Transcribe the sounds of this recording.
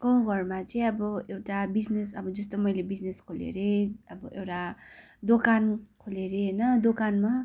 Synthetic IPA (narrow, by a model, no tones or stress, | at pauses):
kʌ̃w̃ɡʱʌrmat͡sʌj̃ʌbʌewʈabid͡znesʌbʌd͡zʌst̪omʌjlebid͡zneskʰolḛɾeʌbʌʔewʈa | d̪okankʰoleɾenʌd̪okanma